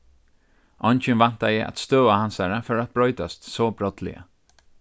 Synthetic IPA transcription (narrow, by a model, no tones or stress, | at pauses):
ʔɔnt͡ʃɪnvan̥t̪ajɛʔa̰t̪st̪øːahansaɹafœɹat̪̚b̥ɾɔʏt̪ast̪sɔːbɾɔt̪lɪ̰a̰